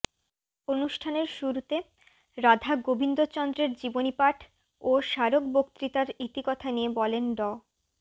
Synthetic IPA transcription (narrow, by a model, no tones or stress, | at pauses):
onuʃʈʰaneɾʃuɾut̪e | ɾad̪ʱaɡobʱind̪ot͡ɕɔnd̪ɾeɾd͡ʑibonipaʈʰ | oʃaɾokbokt̪ɾit̪aɾit̪ikɔt̪ʰaniebɔlenɖɔ